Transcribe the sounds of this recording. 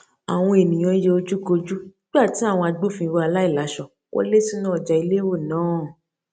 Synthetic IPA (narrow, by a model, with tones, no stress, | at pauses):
a˨w̃ɔ̃˧e˨nĩ˨j̃ã˧˦je˧o˧d͡ʒu˦ko˧d͡ʒu˦nĩ˦ɡ͡ba˦˨ti˨˦a˦˨w̃ɔ̃˧a˧ɡ͡bo˦fĩ˧wɔ˧a˧la˦i˦˨la˨˦ʃɔ˧˨ | wɔ̰˦le˦sĩ˦nã˦ɔ˨d͡ʒa˧i˧le˦wo˦˨nãː˨˦˨